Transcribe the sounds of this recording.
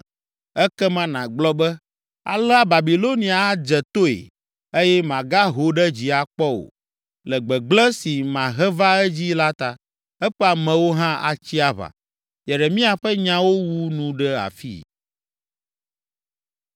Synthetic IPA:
ɛ˦kɛ˦mã˦nã˨ɡ͡blɔ˦bɛ˦ | a̰˨lɛ˦a˦ba˨bi˨lo˦nĩ˨a˨a˦d͡ʒɛ˨t̪o˦ḛ˨ | e˦jɛ˦mã˨ɡa˦ɦo˨ɖɛ˦d͡ʑi˨a˨k͡pɔ˦wo̰˨ | lɛ˨ɡ͡bɛ˨ɡ͡blɛ˦si˨mã˨ɦɛ˦va˦ɛ˦d͡ʑi˦la˦t̪a˨ | ɛ˦ɸɛ˦a˨mɛ̃˨wo˦ɦã˦ʔa̰˨t͡ɕi˦a˦βa̰˨ | jɛ˨ɖɛ˨mĩ˦a˨ɸɛ˦ɲã˦wo˦wu˦nũ˦ɖɛ˦a̰˨fḭ˦

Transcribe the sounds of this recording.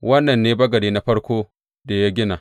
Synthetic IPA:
wɐ˦nːɐ˨nːeː˦bɐ˦ɡɐ˨deː˦na˦ɸɐ˦ɽkʷoː˦ | da˨ja˦ɡʲɪ˦na˨

